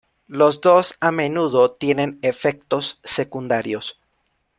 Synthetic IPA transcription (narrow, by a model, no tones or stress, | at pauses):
lo̞zd̪o̞same̞nuð̞o̞t̪je̞ne̞nefe̞k̚t̪o̞sːe̞kund̪aɾjos